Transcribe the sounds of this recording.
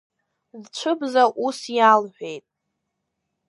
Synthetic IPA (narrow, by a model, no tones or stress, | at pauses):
zt͡ʃʷʰɨbzaʔusjalħʷᶣe̞jtʼ